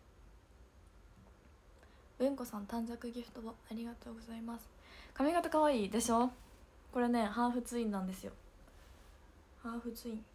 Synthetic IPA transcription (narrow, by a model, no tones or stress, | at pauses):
bɯ̟̃ŋko̞sãnt̪ãɲd͡zakɯ̟ɡʲeɸɯ̟̥t̪o̞boaɾʲiɡat̪o̞ːɡo̞zaimasɨ̥kamʲiɡat̪akaβaiːd̪e̞ɕo̞ː | ko̞ɾe̞nẽ̞ɦaːɸɯ̟t͡sɨĩnːãnd̪e̞sɨjo̞̰ | haːɸɯ̟t͡sɨĩŋ